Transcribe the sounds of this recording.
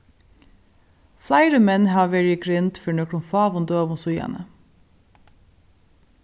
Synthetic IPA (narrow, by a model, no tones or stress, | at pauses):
flæɪɾəmɛnhɑːʋɛɹɪɡɹɪnt̪fœɳœkɾʊnfɑːʋʊnd̪øːʋʊnsʊjɑ̰nə̰